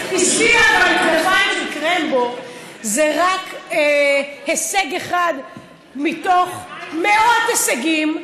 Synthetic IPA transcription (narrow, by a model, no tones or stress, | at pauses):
isialalkevatmikʁembo | zeʁak | heseɡeχad̪ | mit̪o̞χmeo̞t̪esaɡim